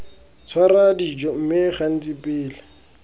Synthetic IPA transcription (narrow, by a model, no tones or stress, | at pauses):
t͡sʰwaradid͡ʒɔm̩mɪχan̩t͡sipʼɪːla